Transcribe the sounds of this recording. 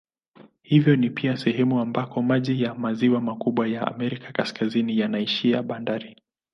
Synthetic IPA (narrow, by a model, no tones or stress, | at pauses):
hivjɔnipiasɛhɛmuambakɔmaʄijamaziwamakuɓwajaa̰mɛɾikḁkaskazinijanaiʃiaɓandaɾi